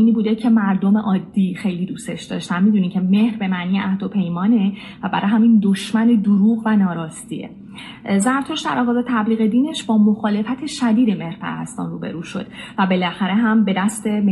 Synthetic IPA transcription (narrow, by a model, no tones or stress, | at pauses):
iːniːbuːd̪ecʰe̞mæɾd̪ome̞ʔɒːd̪ːiːxejliːd̪uːst̪e̞ʃd̪ɒ̰ːʃt̪ænmid̪uniːmcʰe̞me̞hɾbe̞mæːnijeʔæhd̪o̞pʰe̞jmɒːne | væbæɾɒːjɦæmind̪oʃmæned̪oɾuːɣvænɒːɾɒːst̪ḭḛ | zæɾt̪ʰoʃd̪æ̰ɾɒɣɒːzet̪ʰæbliːɣe̞d̪iːne̞ʃbɒːmoxɒːle̞fæt̪ʰe̞ʃæd̪iːd̪e̞me̞hɾpʰæ̰ɾæ̰st̪ɒ̰ːnrṵːbe̞̰ɾuːʃo̞̰d̪̥væbe̞læxæɾe̞ɦæmbe̞d̪æst̪e̞m